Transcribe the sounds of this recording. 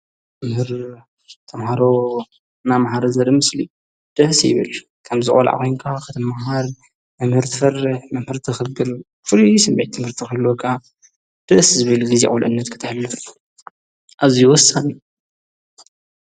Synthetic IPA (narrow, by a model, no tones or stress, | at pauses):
mɐmhɨɾ | t̪ʰɐmhaɾo | namahaɾɐzɐɾɨmɨslḭ | d̪̥ɨʔsjɪ̰βɨ̰l | kʰɐmzɨkʼo̰lʕa̰xojŋkʰakʰɨt̪ʰɐmaɦaɾ | mɐmhɨɾt̪ʰɨfɐrɨħmɐmhɨɾt̪ʰɨxɨɡɨl | fɨɾisɐmbeʕt̪ʰːɨmhɨɾt̪ʰixɨlːokʰa | d̪̥ɨʔszɨβɨlɡɨzeʔʼulʔɨnːɐt̪kʰɨ̥t̪ʰɨħlːɨf | ʔazijwɔsːani